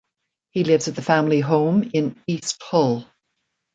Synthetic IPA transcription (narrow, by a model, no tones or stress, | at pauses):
hilɪvzɨt̪̚ðəfæ̃mliɦõʊ̃mɪ̃niˑst̚hɔlˠ